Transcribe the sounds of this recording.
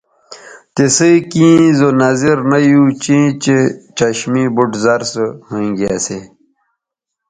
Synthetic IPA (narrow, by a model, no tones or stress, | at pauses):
t̪esəikĩːzonaziɾnajut͡ɕĩt͡ɕet͡ɕɐɕmibuʈzɐɾshuĩɡiase